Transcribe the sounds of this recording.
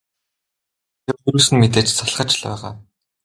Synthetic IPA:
t̪ʰerxuɾŭːsɘ̆nmet̪eːt͡ɕt͡sʰaɮχə̆t͡ɕɮæ̰ːʁaː

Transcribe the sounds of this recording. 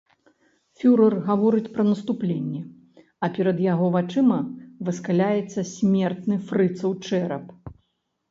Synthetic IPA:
fʲuɾɐrɣavɔɾɨt͡sʲpɾɐnɐst̪uplʲenʲːɛ | ɐpʲɛɾɐd̪jaɣɔvat͡ʂɨmɐvɨskalʲajɛt̪sːɐsʲmʲɛrt̪nɨfɾɨt̪sɐwt͡ʂɛɾɐp

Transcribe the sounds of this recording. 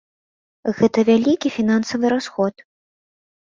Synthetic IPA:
ɣɛt̪ɐvʲalʲikʲifʲinansɐvɨɾasxɔt̪

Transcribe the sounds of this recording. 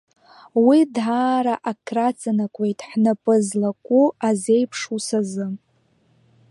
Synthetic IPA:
widʕaːɾaʔakʰrat͡sʼanakʷʼe̞jtʼħnapʼɨzlakʷʼuaze̞jpʰʂusazɨ

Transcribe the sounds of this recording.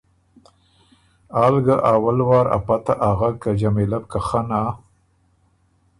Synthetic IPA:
aːlɡaʔaːwalwɑːɾa̰pat̪aʔaɣakad͡ʒamelab̚kaxana

